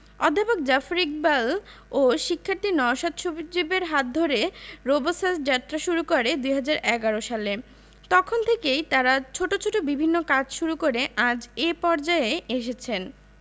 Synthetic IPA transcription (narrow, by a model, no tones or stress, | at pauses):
ɔ̰d̪ʱːapok̚d͡ʑafɾik̚baloʃikʰːaɾt̪inɔʃad̪ʃubid͡ʑibeɾɦat̪̚d̪ʱoɾeɾobosasd͡ʑat̪ːɾaʃuɾukoɾed̪ujɦad͡ʑaɾɛɡaɾoʃale | t̪ɔkʰont̪ʰekejt̪aɾat͡ɕʰoʈot͡ɕʰoʈobibʱinːokad͡ʑʃuɾukoɾeʔãd͡ʑepɔɾd͡ʑaeeʃ̬et͡ɕʰen